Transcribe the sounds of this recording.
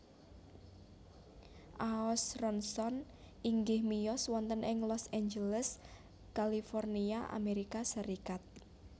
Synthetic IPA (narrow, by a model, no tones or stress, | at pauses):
ʔaɔsrɔnsɔn | iŋɡɪhmijɔswɔnt̪ənɪŋlɔsaɲd͡ʒələs | kalifɔrniaʔa̰meɾikasəɾikat̪̚